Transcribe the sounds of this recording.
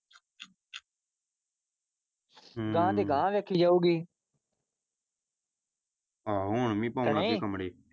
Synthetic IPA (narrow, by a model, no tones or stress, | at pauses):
ɡãːd̪eːɡãːʋeːkʰiːd͡ʒaːuːɡiː | aːɦoːɳmĩːpaːnãeeːkəmɽeː